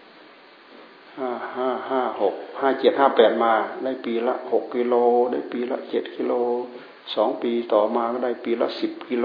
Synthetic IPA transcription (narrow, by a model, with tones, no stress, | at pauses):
haː˧˩haː˧˩˨haː˧˩ho˨˩k̚haː˧˩t͡ɕe˨˩t̪̚haː˧˥˩pɛː˨˩t̪̚maː˧da˧˩˨jpiː˨˧la̰˧˥ho˨˩kʰːi˧loː˧da˧˥˩jpiː˨˩la̰˧ʔt͡ɕe˨˩t̪̚kʰi˧loː˧ | sɔː˨˦ŋpiː˨t̪ɔː˨˩maː˧kɔ˧˥˩da˧˥˩piː˨la̰˧˥ʔsi˨p̚ki˧lo˧